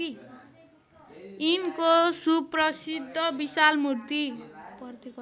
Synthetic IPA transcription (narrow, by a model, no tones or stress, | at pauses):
i | inkosuprʌsid̪ʱːʌbisalmurt̪ipʌrt̪ik